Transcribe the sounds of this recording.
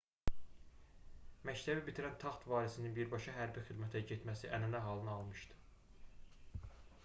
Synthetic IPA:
mæct̪ʰæbibit̪ʰiɾænt̪ʰɑχt̪vɑːɾisininbiɾbɑʃɑɦæɾbixid̪mæt̪ʰæɟet̪mæsiʔænænæɦɑlˠɯnɯɑlˠmɯʃd̪ɯ̥

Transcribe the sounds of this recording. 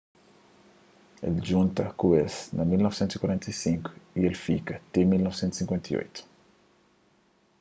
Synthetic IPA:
ḛlʒũnt̪ɐkuesnɐmilnɔvisẽnt̪zi̥kwaɾẽnt̪ɐjsĩŋkʊ̥ielfikɐt̪emilnɔvsẽnt̪usĩŋkwẽnt̪ɐjo̰jt̪ʊ̥

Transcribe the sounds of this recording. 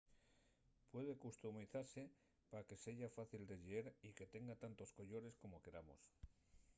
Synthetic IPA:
pwe̞ð̞e̞kust̪umiθaɾse̞ | pake̞se̞ʝafaθild̪e̞ʎeeɾike̞t̪e̞ŋɡat̪ant̪o̞sko̞ʎo̞ɾe̞sko̞mo̞ke̞ɾamo̰s

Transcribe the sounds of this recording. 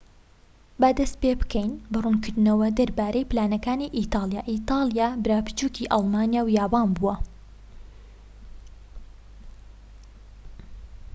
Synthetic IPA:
bad̪ɐst̪̚pebɨkʰɛjnbɐrunkɨɾd̪ɨnɐwɐd̪ɐɾbaːɾɛjplaːnɐkaːniːʔit̪ɑːlˠjaːʔit̪ɑːlˠjaːbɨɾaːpɨ̥t͡ʃuːkʰiʔɑlˠmaːnjaːwjaːbaːnbuɐ

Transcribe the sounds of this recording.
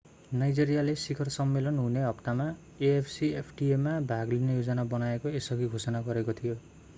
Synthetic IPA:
najd͡zeɾijalesikʰʌrsʌmːelʌnɦuneʌptama | eepʰsiepʰʈiemːabʱaɡlinejod͡zʌnabʌnaekoesʌɡiɡʱosʌnaɡʌɾekot̪ʰijo

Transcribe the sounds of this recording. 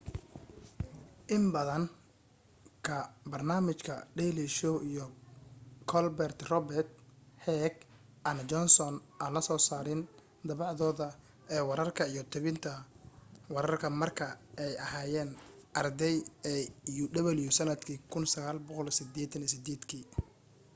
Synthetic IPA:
ʔɪmbɐðɐŋ | kʰɐbɐrnaːmɪt͡ʃkʰɐ̰ɖɛliʃɔwʔijɔ | kʰɔlbɛrt̪rɔbɛrt̪hɛːɡ | ʔɐnt͡ʃɔnsɔnʔaːnlɐsɔːsaːɾɪn | d̪ɐβɑʕðɔːðɐ | ʔɛːwɑɾɐrkʰɐijɔt̪ʰɐβɪnt̪ʰɐ | wɑɾɐrkʰɐmɐrkʰɐɛjɐhaːjɛːnʔɐrd̪ɛjɛjuɖɐβɐljʊsɐnɐd̪kʰiːkʰʊnsɐɣaːlbɔqɔlsɪd̪ɛːt̪ʰɐnijsɪd̪ɛːd̪kʰiː

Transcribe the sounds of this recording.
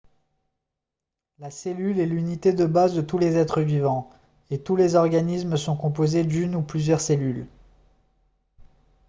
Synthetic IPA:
laselylɛlynit̪ed̪əbazd̪ət̪ulezɛt̪χəvivɑ̃ | et̪ulezɔʁɡanismsɔ̃kɔ̃pozed̪ynuplyzjœʁselyl

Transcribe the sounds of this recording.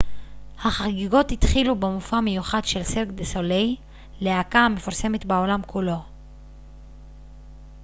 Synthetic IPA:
haχaɡiɡo̞thit̪χilubemufame̞juχadʃe̞lseʁkd̪esolej | leakaame̞fuʁse̞me̞t̪beo̞lamkulo̞

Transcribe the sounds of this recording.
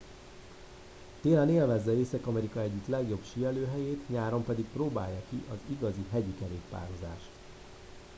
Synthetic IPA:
t̪eːlɛneːlvɛzːɛeːsɛkɒmɛɾikɒɛɟːyt̪lɛɡjobʃiɛløːɦɛjeːt̪ɲaːɾo̞mpɛd̪ik̚proːba̰ːjːɒkiʔɒziɡɒziɦɛɟikɛɾeːt̪pa̰ːɾoza̰ːʃt̪

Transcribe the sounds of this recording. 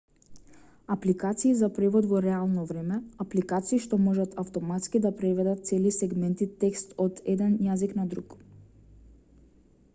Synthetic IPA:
aplikat̪siːzapɾɛvɔd̪vɔɾɛalˠnɔvɾɛmɛaplikat̪siːʃt̪ɔmɔʒat̪ʰaft̪ɔmat̪skid̪apɾɛvɛd̪at̪̚t̪sɛlisɛɡmɛnt̪it̪ɛkst̪ɔt̪ɛd̪ɛnjaziknad̪ɾuk

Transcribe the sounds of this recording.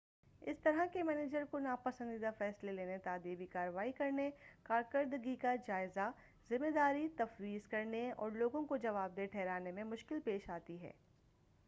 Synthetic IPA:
ɪst̪ɐɾakemɛːneːd͡ʒəɾkonaːpɐsə̃nd̪id̪afɛːsleleːnet̪aːd̪iːbikaːɾəʋaːikɐɾnekaːɾkəɾd̪ɡikad͡ʒaːɪza | zɪmːeːd̪aːɾit̪ɐfɾiːzkɐɾneɔ̰ːɾloːɡõkod͡ʒɐʋaːb̚d̪eːʈʰɛːɾaːnemẽmʊʃkɪlpeːʃaːt̪iɦɛ̰ː

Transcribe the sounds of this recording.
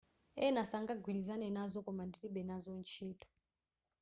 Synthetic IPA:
ɛnasaŋɡaɡwilizanɛnazɔkɔmanditiɓɛnazɔnt͡ʃʰiːtɔ̥

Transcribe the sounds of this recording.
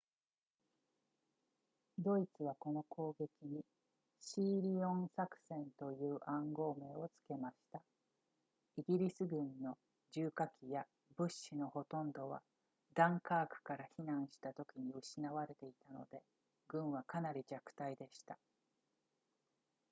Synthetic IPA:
d̪o̞it͡sɨβako̞no̞ko̞ːɡe̞kʲiɲ̟i | ɕiːɾʲiõ̞ñsakɯ̟̥sẽ̞nt̪o̞jɯ̟ːʔãŋɡo̞ːme̞ːo̞t͡sɨ̥ke̞maɕi̥t̪a | iɡʲiɾʲisɨɡɯ̟̃nːo̞ | d͡ʑɨːkakʲija | bɯ̟ɕːino̞ho̞t̪õ̞nd̪o̞β̞a̰ | d̪ãŋkaːkɯ̟̥kaɾaçinãɰ̃ɕi̥t̪at̪o̞kʲiɲ̟iɯ̟ɕinaβaɾe̞t̪e̞it̪ano̞̰d̪e̞ | ɡɯ̟̃ɰ̃βakanaɾʲid͡ʑakɯ̟̥t̪aid̪e̞ɕi̥t̪a

